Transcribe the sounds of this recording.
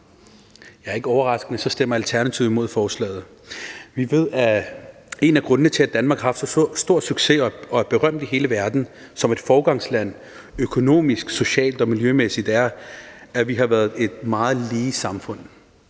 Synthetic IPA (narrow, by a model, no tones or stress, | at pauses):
jɑ̈ɐe̝ɡ̥əɒʊɐʁɑ̈sɡ̥ənəsɒ̽sd̥em̰ɐælt͡sʰæɐnæt͡sʰiʊmo̝ð̰ˠfɒːslɛ̰ːɪð̞̩ˠ | ʋiʋe̝ð̞̰ˠæ | e̝næɡ̥ʁɔ̽nənət͡sʰe̝æd̥ænmɑ̈ːɡ̥hɑ̈fd̥sɒ̽sd̥o̝ɐ̰̥syɡ̥se̝ɒ̽ɒ̽æɐb̥e̝ʁɶm̰d̥iɦe̝ːləʋæɐd̥n̩ | sɒ̽me̝d̥fɒːɡ̥ɑ̈ŋslæn̰ | økʰo̝no̝̰ːmisɡ̥so̝ɕɛ̰ːld̥ɒ̽miljømesid̥æɐæʋiɦɑ̈ʋæɐð̩ˠe̝d̥mɑ̈ːð̞̩ˠliːsɑ̈mfɔ̽n̰